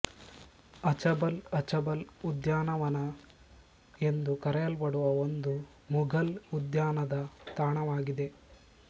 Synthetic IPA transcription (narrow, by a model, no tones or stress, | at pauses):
ɐt͡ʃɐbɐlɐt͡ʃɐbɐlud̪jaːnɐʋɐnɐ | e̞nd̪ukɐɾɛjɐlbɐɽuʋɐond̪u | muɡɐlud̪jaːnɐd̪ɐt̪aːɳɐʋaːɡid̪e̞